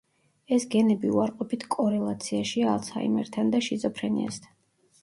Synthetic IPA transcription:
ɛsɡɛnɛbiuaɾqʼɔpʰit̪ʰkʼɔɾɛlˠat̪sʰiaʃialˠt̪sha̰imɛ̰ɾt̪ʰand̪aʃizʼɔpʰɾɛnḭa̰st̪ʰan

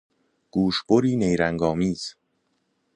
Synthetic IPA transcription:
ɡ̥uːʃb̥oɾiːnejɾæŋɡɒːmiːz̥

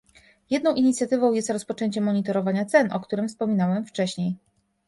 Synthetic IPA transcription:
jɛd̪nɔ̃w̃ʔiɲit̪sʲjat̪ɘvɔ̃w̃jɛst̪ɾɔspɔt͡ʂɛɲt͡ɕɛmːɔɲit̪ɔɾɔvaɲat̪sɛnʔɔkt̪uɾɘmfspɔmʲinawɛmft͡ʂɛɕɲej

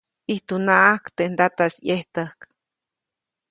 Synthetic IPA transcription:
iht̪unaʔahkt̪end̪at̪asjeht̪əhk

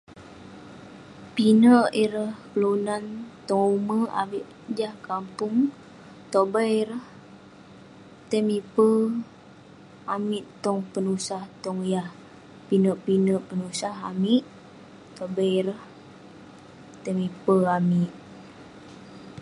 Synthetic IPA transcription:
pinəʔiɾəhpəlunant̪ɔŋuməa̰miʔ | d͡ʒahkampuŋ | t̪obəiɾəh | t̪əmipə | amiʔt̪ɔŋpənusaht̪ɔŋjah | pinəʔpinəʔpənusaɦa̰miʔ | t̪obəiɾəh | t̪əmipəamiʔ

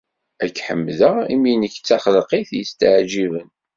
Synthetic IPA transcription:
ækːħə̰mːðəʁḭminəçt͡sːaχəlqiθjəst̪əʕʒivən

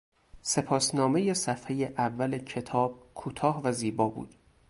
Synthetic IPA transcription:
se̞pʰɒːsnɒːmejesæfhe̞je̞ʔævːælecʰe̞t̪ʰɒːb̥̚kʰuːt̪ʰɒːhvæziːbɒːbṵːd̪̥

